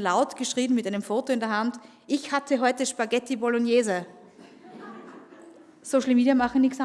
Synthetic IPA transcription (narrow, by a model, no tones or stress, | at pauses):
laʊtɡ̥əʃʁ̥iːbn̩mɪtʔaɪnəmfoːtoɪndeɐɦant | ʔɪçhatʰəɦɔʏtəʃpaɡɛtibolɔnjeːzə | soːʃl̩miːdiɐmaχŋ̩nɪksa